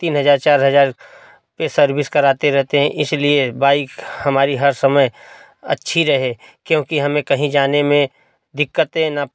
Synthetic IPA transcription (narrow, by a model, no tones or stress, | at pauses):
t̪iːnɦɐzaːɾt͡ʃaːɾɦɐzaːɾ | pesɐɾbɪskɐɾaːt̪eɾɛɦt̪eɦɛ̃ʔɪsliebaːɪkhɐmaːɾiɦɐɾsɐməj | ɐ̰tːʃʰiɾɐɦekjõːkiɦɐmẽkɐɦĩd͡ʒaːnemẽ | d̪ɪkːət̪ɦɛ̃na